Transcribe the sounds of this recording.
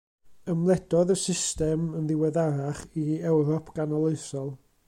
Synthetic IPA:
əmlˠɛd̥ɔðəsɪstɛmənðɪwɛðaɾaχiɛwɾɔpʰɡ̥anɔlˠeɨsɔlˠ

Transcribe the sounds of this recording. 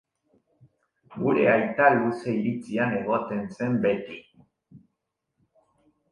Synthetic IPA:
ɡuɾe̞̰ajt̪aluseiɾit͡siane̞ɣ̞ot̪e̞nse̞mbe̞t̪i

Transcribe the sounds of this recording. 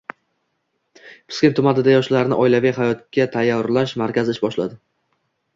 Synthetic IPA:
pʰɪ̥skʲent̪ʰʊmanɪd̪ajɒʃllaɾnɪʔɒɪlavɪjɦajɒt̪̚kʲʰat̪ʰajaɾlaʃmaɾkʲazɪʃbɒʃla̰d̪ɪ

